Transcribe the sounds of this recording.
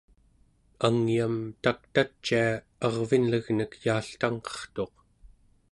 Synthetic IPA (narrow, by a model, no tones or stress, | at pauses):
aŋjamt̪ak̚t̪at͡ʃːia | ɑʁvinləɣnəkjaːɬt̪aŋqʌ̥χt̪o̞q